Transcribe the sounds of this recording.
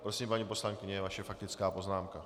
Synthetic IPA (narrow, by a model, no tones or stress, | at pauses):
pɾo̞simpaɲipo̞slaŋkɪɲɛvaʃɛfak̚t̪ɪt͡skaːpo̞znaːmka